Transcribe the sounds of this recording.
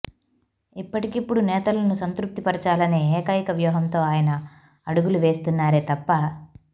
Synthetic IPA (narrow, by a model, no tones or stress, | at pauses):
ipːɐʈikipːuɽunɛːt̪ɐlɐnusɐnt̪ɾup̚t̪ipɐɾit͡ʃaːlɐne̞ːkaːjikɐʋjuːɦɐmt̪o̞ːaːjɐnɐ | ɐɽuɡuluʋe̞ːst̪unːaːɾeːt̪ɐpːɐ